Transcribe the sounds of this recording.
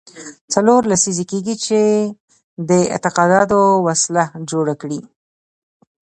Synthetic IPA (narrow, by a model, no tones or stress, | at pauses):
t͡saloɾlasizekeɡit͡ʃe | d̪əɪ̰t̪ɪqɑd̪ɑd̪owaslad͡ʒoɽakɽi